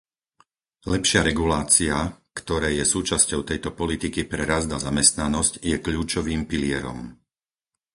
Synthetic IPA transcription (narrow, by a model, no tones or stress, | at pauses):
lɛpʃɪaɾɛɡulaːt͡siakt̪ɔɾɛːjɛsuːt͡ʃascɔʊt̪ɛjt̪ɔpɔlit̪ikipɾɛɾazd̪azamɛst̪nanɔscjɛkʎuːt͡ʃɔʋiːmpiliɛɾɔ̰m